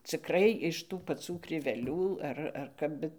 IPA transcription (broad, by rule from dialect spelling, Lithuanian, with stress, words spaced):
t͡sʲɪkˈrɐɪ ɪʃ ˈtuː pɐˈt͡suː krʲɪʋʲɛˈlʲuː ˈɐr ɐr ˈkɐp ˈbʲɛt